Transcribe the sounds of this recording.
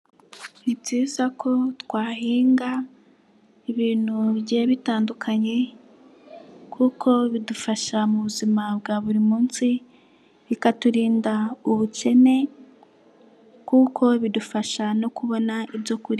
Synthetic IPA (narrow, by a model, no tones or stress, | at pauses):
nitizakʰo̞twaːhiːŋɡa | iβiːn̥huβɟe̞βitaːndukʰaɲe̞ | kʰukʰo̞βidufaʃamuβuzimab̚ɡaːβuɾimuːnsi | βikatuɾiːndauβuce̞ne̞ | kuːkʰo̞βidufaʃano̞kuβo̞naibɟo̞kuɾi